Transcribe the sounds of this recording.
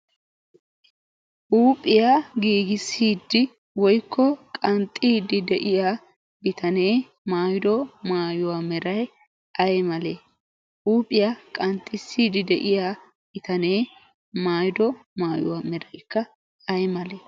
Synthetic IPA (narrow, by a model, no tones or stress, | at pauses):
ʔuːpʼɪjaɡiːɡɪsːiːd̪ːɪ | wɔjkʰːɔkʼɐnt̪ʼːiːd̪ːɪd̪ɛʔɪja | bɪt̪ɐne̞ː | maːjd̪ɔmaːjʊwamɛɾɐj | ɐjmɐle | ʔuːpʼɪjakʼɐnt̪ʼːɪsːiːd̪ɪd̪ɛʔɪja | bɪt̪ɐne̞ː | maːjd̪ɔmaːjʊ̰wamɛɾɐjkːɐ | ɐjmɐleː